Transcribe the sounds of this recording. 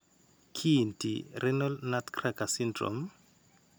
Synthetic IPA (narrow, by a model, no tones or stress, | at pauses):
kʰintḭrɛnɔlnatkʰrakasindrɔ̰m